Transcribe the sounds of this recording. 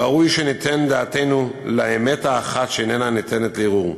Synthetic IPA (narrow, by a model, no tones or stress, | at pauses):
aʁujʃenit̪end̪aːt̪ejnulaeme̞t̪aːχat̪ʃenenanit̪ʰe̞net̪leʁuʁ